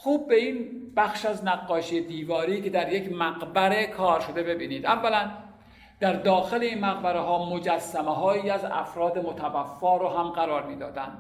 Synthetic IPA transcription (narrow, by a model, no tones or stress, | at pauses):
xuːb̚ːe̞iːnb̥æxʃæznæɣːɒːʃijed̪iːvɒːɾiːkʰe̞d̪æɾje̞kmæɡbæɾe̞kʰɒːɾʃod̪e̞be̞biːniːd̪ʔævːælæn | d̪̥æɾd̪ɒːxeleiːnmæɣbæɾeɦɒːmo̞d͡ʒæsːæmeɦɒːjiːæzæ̰fɾɒːd̪emot̪ʰævæfːɒːɾoɦæmɢæɾɒːɾmiːd̪ɒ̰ːd̪ænd̪̥